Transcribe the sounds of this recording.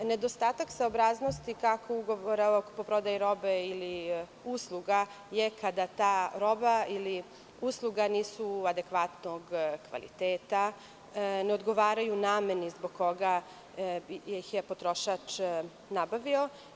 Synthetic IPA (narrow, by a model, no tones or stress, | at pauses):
ne̞d̪o̞st̪aːt̪aksaobɾaːzno̞st̪ikakʰouɡoʋoɾaokpo̞pɾo̞d̪ajiɾo̞beili | uslˠuɡa | je̞kad̪at̪aːɾo̞baili | uslˠuɡaniːsuad̪e̞kʋat̪no̞ɡkʋa̰lḭt̪eːt̪a | neo̞d̪ɡo̞ʋaːɾajunaːmenizbo̞ɡkːo̞ɡa | exjepo̞t̪ɾo̞ʃat͡ʃ | nabaʋio̞